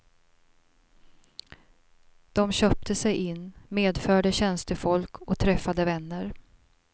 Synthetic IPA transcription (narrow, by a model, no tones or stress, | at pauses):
d̪̥ɔmɕœːp̚t̪ʰəsɛjʔɪnːmeːd̪fœːɖəɕɛnst̪əfɔlkʰɔt̪ʰɾɛfːad̪əvɛnːəɾ